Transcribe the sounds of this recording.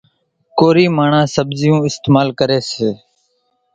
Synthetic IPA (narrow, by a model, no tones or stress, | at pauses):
koːɾiːmaːɳãːsəbzɪjũːɪst̪eːmaːlkəɾeːseː